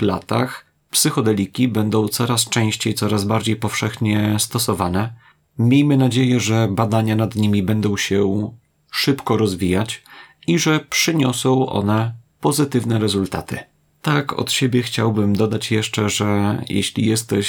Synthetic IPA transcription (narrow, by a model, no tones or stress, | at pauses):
lat̪a̰x | psɘxɔd̪ɛlʲikʲibɛnd̪ɔ̃w̃t̪sɔɾast͡ʂɛ̃w̃ɕt͡ɕejt̪sɔɾazbaɾd͡ʑejpɔfʂɛxɲɛst̪ɔsɔvanɛ | mʲjejmɘnad͡ʑejɛʐɛbad̪aɲanad̪ɲimʲibɛnd̪ɔ̃w̃ɕɛ | ʂɘpkɔɾɔzvʲijat͡ɕiʐɛpʂɘɲɔsɔ̃w̃ʔɔ̰nɛpɔzɘt̪ɘvnɛɾɛzult̪a̰t̪ɘ̰ | t̪akʰɔ̰t̪ɕebʲjɛxt͡ɕawbɘmd̪ɔd̪at͡ɕjɛʂt͡ʂɛʐɛjɛ̰ɕlʲḭjɛst̪ɛɕ